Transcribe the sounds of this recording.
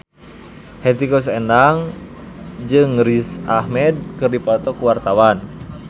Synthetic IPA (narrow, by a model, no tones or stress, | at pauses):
hɛt̪ikɔs̬ɛndaŋ | d͡ʒɨŋɾisahmɛd̪̚kɨrdipɔt̪ɔkuwart̪awan